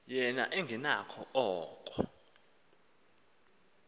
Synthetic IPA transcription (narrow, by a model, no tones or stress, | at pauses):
jɛna̰ʔɛŋɡʱɛnakʰɔɔːkʼɔ